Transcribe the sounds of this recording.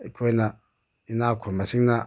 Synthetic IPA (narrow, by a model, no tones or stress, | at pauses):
ikʰena | inakʰomasiŋna